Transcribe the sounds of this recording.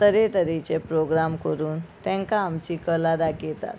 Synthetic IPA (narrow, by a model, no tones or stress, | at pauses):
t̪əɾet̪əɾit͡ɕepɾoɡɾamkəɾuːnt̪ɛ̃ŋkaːmt͡ɕiːkəlad̪aket̪a̰t̪